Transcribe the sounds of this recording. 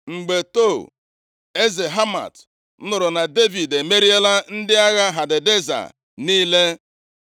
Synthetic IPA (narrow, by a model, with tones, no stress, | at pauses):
ŋ͡m̩˨ɡ͡be˨to˦˨ | e˦ze˨ɦa˦ma̰˨t̩˦ | nʊ˨ɾʊ˨na˨de˦vi˨de˨me˦ɾi˦e˦la˦n̩˦dɪ˦a˦ɣa˦ɦa˨dɪ˨de˦za̰˨ | niː˦le˦